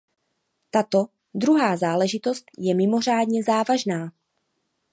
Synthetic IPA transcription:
t̪at̪o̞ | d̪ɾuɦaːzaːlɛʒɪt̪o̞st̪jɛmɪmo̞r̝aːdɲɛzaːvaʒnaː

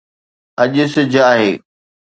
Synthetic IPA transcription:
ɐʄɪsɪd͡ʑʱaːɦeː

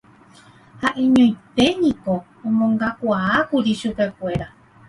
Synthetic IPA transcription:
haʔĩɲõĩt̪e̞nĩko | õmõŋɡakʷaakuɾiʃupe̞kʷe̞ɾa

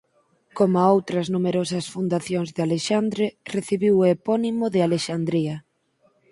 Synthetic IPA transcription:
komaowt̪ɾɐznumeɾɔsɐsfund̪aθjoŋzðɪaleʃand̪ɾereθiβiwepɔnimʊðɪaleʃand̪ɾiɐ

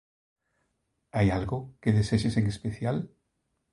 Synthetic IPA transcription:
ajalɣokeðeseʃeseŋespeθjal

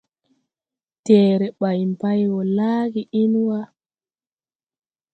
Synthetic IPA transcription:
tɛːɾɛɓajmpajwɔlaːɡiinwa

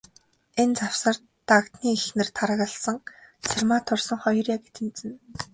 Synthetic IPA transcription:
ent͡saw̥sə̆r | t̪akt̪niːexnɘ̆rt̪ʰaɾə̆ɣə̆ɬsə̆ŋt͡sʰermaːt̪ʰʊrsə̆ŋχɔjrʲjaːɡet̪ɘ̆mt͡sɘ̆n

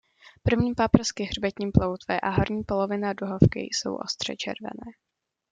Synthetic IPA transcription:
pr̩vɲiːmpapr̩skɪɦrbɛt̪ɲiːmplowt̪vɛ̰ʔaɦoɾɲiːpo̞lo̞vɪnaduɦofkɪ̰jso̞̰wʔo̞̰st̪r̝̥ɛ̰t͡ʃɛ̰ɾvɛ̰nɛː

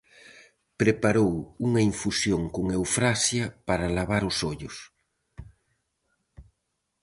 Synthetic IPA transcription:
pɾepaɾowuŋɐiɱfusjoŋkoŋewfɾasjɐpaɾɐlaβaɾʊsoʎʊs

